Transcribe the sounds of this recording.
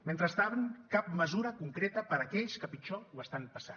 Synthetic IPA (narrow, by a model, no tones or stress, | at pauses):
ment̪ɾəst̪aβəŋkap̚məzuɾəkuŋkɾet̪əpəɾəkɛʎskəpit͡ʃɔwəst̪anpəsa̰